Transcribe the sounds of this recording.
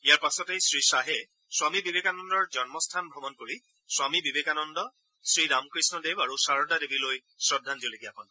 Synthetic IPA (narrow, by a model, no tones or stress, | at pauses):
ijaɹpasɔtejsɹisaɦe | swamibibekanɔndɔɹd͡ʒɔnmɔstʰanbʱɹɔbɔnkoɹi | swamibibekanɔndɔ | sɹiɹamkɹisnɔdebaɹusaɹɔdadebiloj | sɹɔdʱːandiɔlekiakɔn